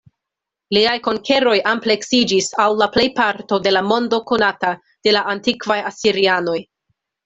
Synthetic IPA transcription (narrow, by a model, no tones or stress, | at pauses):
liajko̞ŋkʰe̞ɾo̞jʔample̞ksid͡ʒisawlaple̞jpaɾto̞de̞lamo̞ndo̞ko̞nata | d̥e̞laʔantikvajasiɾiano̞j